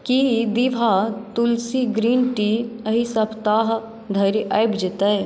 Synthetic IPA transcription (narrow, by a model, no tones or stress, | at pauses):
kid̪iʋʱat̪ulsiɡɾiːnʈiəɦisɐbʰt̪aːɦ | d̪ʱɐɾiʔajbd͡ʒɪt̪ɐe